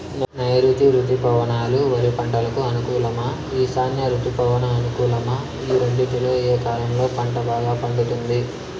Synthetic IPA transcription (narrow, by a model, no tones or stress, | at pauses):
nnɐjɐɾut̪iɾut̪ipɐʋɐnaːluʋɐɾipɐɳʈɐlɐkuɐnukuːlɐmɐ | iːsaːnjɐɾut̪ipɐʋɐnɐːnukuːlɐmɐ | iːɾeɳɖiʈiloːeːkaːlɐmlo̞ːpɐɳʈɐbaːɡaːpɐɳɖut̪und̪i